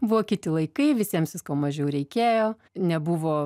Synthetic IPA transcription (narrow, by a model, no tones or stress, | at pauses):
bʊoːkʲɪt̪ʲɪlˠɐɪkɐɪʋʲɪsʲiɛmsʋʲɪskoːmɐʒʲɛʊɾʲɛɪkʲeːjoː | nʲɛbuʋoː